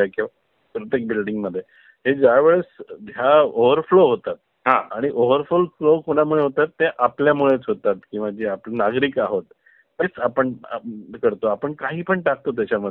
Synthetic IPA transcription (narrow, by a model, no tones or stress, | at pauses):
akĩʋa | pɾət̪jek̚bilɖiŋɡməd̪ʱːje | ɦed͡ʑaʋeɭesjaoʋəɾfloɦot̪at̪̚ | ɦãaɽ̃iʔoʋəɾfulflokoɽ̃amuɭeɦot̪at̪ːeʔapljamuɭet͡sɦot̪at̪kĩw̃ʋad͡ʑeaplnaɡɾikaɦot̪ː | et͡sapəɳ̰kəɾt̪oapəɳkaɦiːpəɳʈak̚t̪ot̪̬jat͡ɕaməd̪ʱː